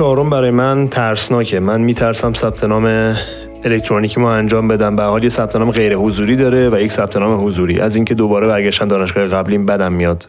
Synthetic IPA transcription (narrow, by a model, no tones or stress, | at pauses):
t͡ʃʰɒːɾombæɾɒːjemænt̪ʰæɾsnɒːcʰe̞mænmiːt̪ʰæɾsæmsæb̥̚t̪ʰe̞nɒːme̞ | elect̪ʰɾoniːcʰimoænd͡ʒɒːmbe̞d̪æmbææɾhɒːljesæb̥t̪ʰenɒːmeɣe̞jɾe̞hozuːɾiːd̪ɒːɾe̞væjecsæb̥̚t̪ʰe̞nɒːmeɦozuːɾḭːʔæziːŋcʰe̞d̪obɒːɾe̞bæɾɟæʃt̪ænd̪ːɾæʃɡɒːheɣæbliːnbæd̪æmːijɒːd̪̥